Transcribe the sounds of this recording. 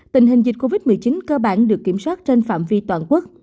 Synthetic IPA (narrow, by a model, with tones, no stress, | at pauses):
t̪ï˨˩ŋ̟ɦi˨˩ŋ̟zi˨˩t̟̚ko˧vi˦˥t̚mɨ˨˩əjt͡ɕi˨˦nkəː˧ɓa̰ː˧˩nɗɨ˨˩əkːi˧˩əmswaː˦˥t̚t͡ɕe˧nfa̰ː˧˨mvi˧t̪waː˨˩nku˦˥ək̚